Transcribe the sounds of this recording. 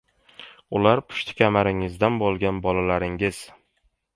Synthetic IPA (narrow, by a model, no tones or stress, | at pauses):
ʊlaɾpʰʊ̥ʃt̪ʰɪ̥kʲʰamaɾɪŋɪzd̪anbolˠɡʲanbɒlalaɾɪŋɪz̥